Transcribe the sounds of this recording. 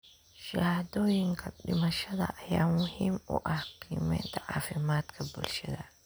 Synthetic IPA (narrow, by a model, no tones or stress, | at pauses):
ʃɐhɐd̪ɔːjɪŋkʰɐɗɪmɐʃɐðɐ̰ʔɐjaːmʊhiːmʊ̰ʔɐhbʰiːmɛ̰ːnt̪ʰɐʕaːfɪmaːd̪kʰɐbʊlʃɐðɐ